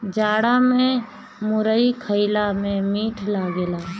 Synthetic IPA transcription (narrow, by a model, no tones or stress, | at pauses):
d͡ʒaːɽamẽ | mʊɾəikʰəɪlamẽmiːʈʰlaːɡelaː